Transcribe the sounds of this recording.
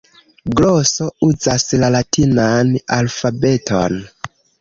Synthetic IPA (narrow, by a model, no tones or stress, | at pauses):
ɡloso̞uzaslalatʰinanalfabe̞tʰo̞̰n